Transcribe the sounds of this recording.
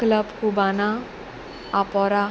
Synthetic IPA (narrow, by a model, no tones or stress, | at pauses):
klʌbkubanaː | pɔɾa